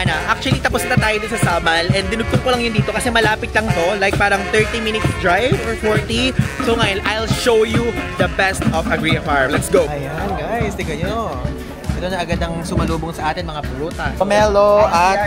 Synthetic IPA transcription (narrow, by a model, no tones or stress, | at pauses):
ɐnaʔak̚t͡ʃʊɐlit̪ɐposnɐt̪ɐt̪aːjod̪ʊnsɐsamɐlʔɛnd̪ɪnʊɡ̚t̪ʊŋkolɐŋjʊnd̪iːt̪okɐsɛmɐlaːpɪt̪lɐŋt̪o̞lajk̚paːɾɐŋt̪ɛɹt̪imɪnɪt̪sd̪ɹajvɔɹfoɹt̪isowŋɐjɐnʔajlʃowjud̪ɐbɛst̪ɔfɐɡɹiɐfaɹmlɛt̪sɡoɐjonɡajsd̪ɪɡɐjo | ʔɛt̪onɐʔɐɡad̪ɐŋsʊmɐluːboŋsɐʔaːt̪ɪnmɐŋapʊloːt̪ɐɐmɛloʔɐt̪̚